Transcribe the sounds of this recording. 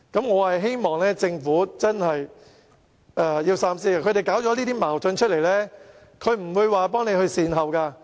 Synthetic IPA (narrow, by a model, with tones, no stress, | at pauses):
kɐ˨˥mŋɔː˨˧hɐ˨jɦe˥jmɔː˨˩ŋlɛː˥t͡sɪ˧ŋfuː˨˥t͡sɐ˥nhɐ˨j | ʔɛː˧˩jiː˧wsaː˥msiː˥a˧kʰɵ˨˧ɥtɾe˨jkaː˨˥wt͡ʃɔː˨˦liː˥t̪iː˥maː˨˩wtɵ˨˧nt͡ʃʰɵ˥t̚le˨˩jlɛː˥ | kʰɵ˨˧ɥm̩˨˩wuː˨˧jwaː˨pɔː˥ŋne˨˧jhɵ˧ɥsiː˨nɦɐ˨wkaː˧